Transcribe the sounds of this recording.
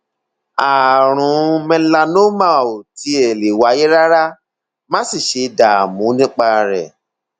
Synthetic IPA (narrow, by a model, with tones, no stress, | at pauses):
a˨ɾ̃ũ˨˦˨mɛ̃˧˦la˧no˦mã˦˨o˨ti˧˦ɛ˨le˨wa˨˦je˦ɾa˦ɾa˦ | mã˦si˦˨ʃe˨˧da˨mũ˨˦nĩ˦k͡pa˦˧ɾɛ˨